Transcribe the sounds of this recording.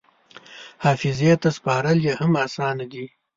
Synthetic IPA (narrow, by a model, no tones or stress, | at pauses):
haːfɪzet̪aspɑːɾɐljehɐmaːsɑːnad̪i